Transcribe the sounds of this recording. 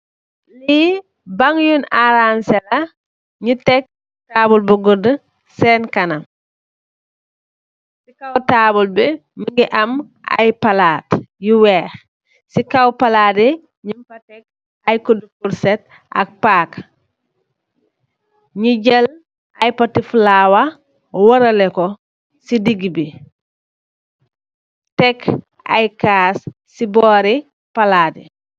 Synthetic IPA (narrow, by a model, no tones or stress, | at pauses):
li | baŋjunaɾansɛlɐ | ɲitɛk̚ | taːbulbuɡudə | sɛnkɐnɐm | sikawtaːbulbɛməŋɡiʔam | ʔa̰jpɐlaːtjiwɛːx | sikawpɐlaːde | ɲimpɐtɛk̚ | ajkodufulset | a̰k̚paːk | ɲiɟɐl | ajpatiflaːwa | wɐɾɐlekɔ | sidiɡibi | tɛk | a̰jkaːsː | ibɔːɾi | paladi